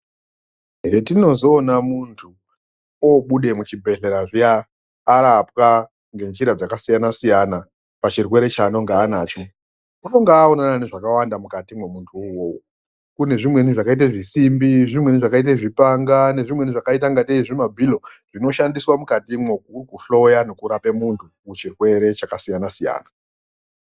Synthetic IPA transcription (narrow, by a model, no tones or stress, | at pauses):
ɦeretino̞zo̞ːnamuntʰu | oɓuɗe̞mut͡ʃibʱe̞ɮe̞ɾaʐiaː | ɾapwa | ŋɡe̞nd͡ʒiɾad͡zakasijanasijana | pat͡ʃirwe̞ɾe̞t͡ʃano̞ŋɡaːnaːt͡ʃo | uno̞ŋɡaːonananeʐakawandamukatimwemuntʰuuwow | kune̞ʐimwe̞niʐakait̬aʐisimbiʐimweniʐakait̬eʐipaŋɡane̞ʐimwe̞niʐakaitaŋɡateiʐimabʱilo̞ʐ̥ino̞ʃandiswamukatimwek̚ukuɬo̞jane̞kuɾape̞muntʰukut͡ʃirwe̞ɾe̞t͡ʃakasijanasija̰ːna